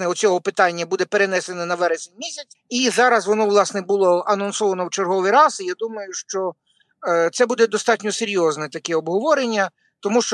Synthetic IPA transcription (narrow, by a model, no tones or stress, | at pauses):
nɛɔt͡sʲɔɦɔpɪt̪ɑnʲːɐbud̪ɛpeɾenɛsenɔnɐʋɛɾesenʲmʲisʲɐt͡sʲizɑɾɐzʋɔnɔʋlˠɑsnɛbʊlˠɔɐnɔnsɔʋɐnɔwt͡ʃerɦɔʋɪjɾɑzjad̪umɐjʊʃt͡ʃɔ | t̪sɛbud̪ɛd̪ɔst̪ɑtʲnʲɔseɾʲjɔznɛt̪ɐkɛɔbɦɔʋɔɾenʲːɐ | t̪ɔmuʃt͡ʃ